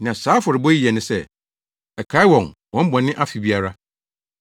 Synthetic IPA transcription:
nɪ̃˨ã˨saː˨˦fɔ˨ɾɪ˨bɔ˦i˦˨ɛ˨nɪ̃˨sɛ˦ | ɛ˨kʰa˨˦wɔ̃˨ŋwɔ̃˦m̩˦bɔ̃˨nɪ̃˦ʔa˦fi˨bi˦a˦ɾa˦

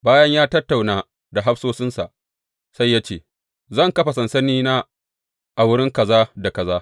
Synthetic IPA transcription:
baː˦jɐ˦ɲjaː˦tɐ˦tːa˨wnaː˨ | da˨ɦa˦ɸsoː˦sɪ˦nsa̰˨ʔ | sa˦jːaː˦t͡ʃeː˦˨ | zɐ˦˨ŋkɐ˦ɸa˨sɐ˨nsɐ˦niː˦naː˦ | ʔa˨wʊ˦ɽɪ˦ŋkɐ˨zaː˦da˨kɐ˨zaː˦

